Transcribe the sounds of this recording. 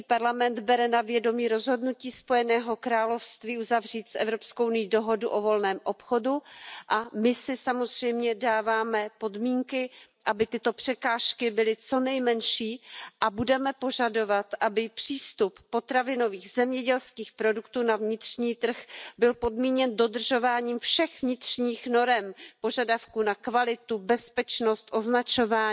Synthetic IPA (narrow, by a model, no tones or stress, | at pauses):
ipaɾlamɛnd̪bɛɾɛnavjɛdo̞miːɾo̞zɦo̞dnuciːspo̞jɛnɛːɦo̞kɾaːlo̞fst̪viːuzavr̝iːt̪sʔɛ̰vɾopskownɪjiːdo̞ɦo̞duʔo̞vo̞lnɛːmʔo̞pxo̞duʔamɪsɪsamo̞zr̝̥ɛjmɲɛdaːvaːmɛpo̞dmiːŋkɪʔabɪt̪ɪt̪o̞pr̝̥ɛkaːʃkɪbɪlɪt͡so̞nɛjmɛnʃiːʔabudɛmɛpo̞ʒado̞vat̪ʔabɪpr̝̥iːst̪upːo̞t̪ɾavɪno̞viːɣzɛmɲɛɟɛlskiːxpɾo̞dukt̪uːnavɲɪt̪r̥ɲiːt̪r̩xbɪlpo̞dmiːɲɛndo̞dr̩ʒo̞vaːɲiːmfʃɛxvɲɪt̪r̥ɲiːxno̞ɾɛmpo̞ʒadafkunakvalɪt̪ubɛspɛt͡ʃnost̪ʔo̞znat͡ʃo̞vaː